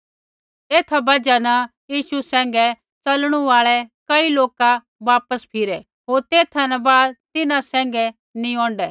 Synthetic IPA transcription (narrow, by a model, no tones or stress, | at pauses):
eːt̪ʰabɐd͡ʒanɐ | jiːʃusɛ̃ːŋɡɛ | t͡sɐlɽ̃uaːɭɛkɐiloːka | ʋaːpəspʰɪɾɛ | ɦoːɾt̪eːt̪ʰanabaːd̪̚t̪ɪnãsɛ̃ːŋ̆ɡɛ | nĩɔ̃ːɳɖɛː